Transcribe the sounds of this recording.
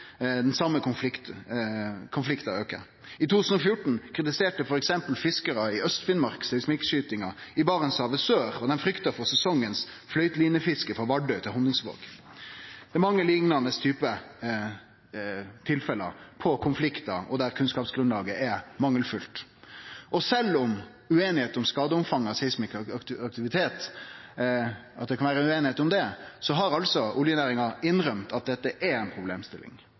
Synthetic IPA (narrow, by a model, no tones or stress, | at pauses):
d̪ɛnsɑmːəkʊnflɪkt̪ | kʰʊnflɪkt̪ɑøːkə̰ʁ | ɪt̪ut̪ʰːʉsən̩ɔfjʊʈːɳ̩kʰɾɪt̪ɪseːʈəfɔɾɛksɛmpəl̩fɪskəɾɑɪœst̪fɪnmɑʁksɛsmɪkʃyːt̪ɪŋɑɪbɑːʁənsɑːʋəsøːʁɔd̪ɛnfɾʏkt̪əfɔʁsɛsɔŋːəns | flœʏt̪liːnəfɪskəfʁɑʋɑɖœʏt̪ʰɪlɦɔnɪŋsʋo̰ːɡ̥ | d̪̥ɛɪmɑŋːəlɪŋnɑnəst̪ʰyːpə | t̪ʰɪlfɛlə̰pʰɔkʰʊnflɪkt̪ɑɔd̪æɾkʰʉnskɑːpsɡɾʉnlɑːɡəʔɛɾmɑŋːəlfʉlt̪ | ʔɔsɛlːʊm | ʉeːnɪheːt̪ʊmskɑːd̪əʊmfɑŋːɑsɛsmɪkɑkt̪ɪʋɪt̪ʰeːt̪ | ɑt̪̚d̪ɛkʰɑnʋæːɾəʉeːnɪheːt̪ʊmd̪ɛsɔɦɑɾɑlsɔʊljɛnæːɾɪŋɑɪnːɾœmt̪ɑt̪̚d̪ɛt̪ːəʔɛɾɛnpʰɾʊblḛːmst̪ɪlːɪ̰ŋ